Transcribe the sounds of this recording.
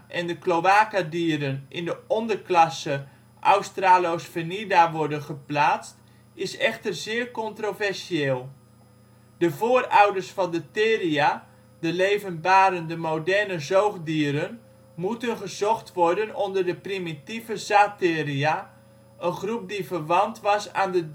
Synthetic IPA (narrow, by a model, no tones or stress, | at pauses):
ʔɛndəkloaːkadiəɾənʔɪndəɔndərklɑsə | ʔawstraːlowsfənidaʋɔɹdənχəplaːt͡st | ɪsɛχtərzɪːərkɔntrovɛrsieːlˠ | d̥əvoːrawdərsfɑndətɪːria | dəlejvənbaːɾəndəmowdɛrnəzowχdiəɾən | mutənχəzɔχtʋɔɹdənɔndərdəprimitivəzaːtɪːria | ənχrup̚divərʋɑntʋɑsa̰ːndə